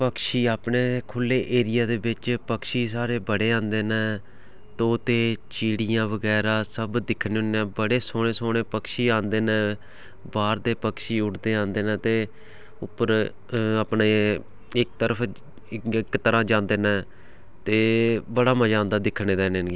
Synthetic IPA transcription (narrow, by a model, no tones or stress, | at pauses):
pəkʃiːaːpɳeːkʰʊlːeːʔeːɾɪjaːd̪eːbɪt͡ʃpəkʃiːs̬aːɾeːbəɽeːãːnd̪eːnɛ̃ː | t̪oːt̪eːt͡ʃiːɽɪjãːʋəɡɛːɾaːsəbd̪ɪkʰneːʊnɛ̃ːbəɽeːsoːɽ̃eːsoːɽeːpəkʃiːãːnd̪eːnɛ̃ː | baːɾd̪eːpəkʃiːʊʈʰd̪eːãːnd̪eːnɛ̃ːt̪eː | ʊpːəɾ | apɳeː | ɪkt̪əɾəpʰ | ɪkt̪əɾãːd͡ʒãːnd̪eːnɛ̃ː | t̪eːbəɽaːməd͡ʒãːnd̪aːd̪ɪkʰːɽeːd̪ɛːneːnɡi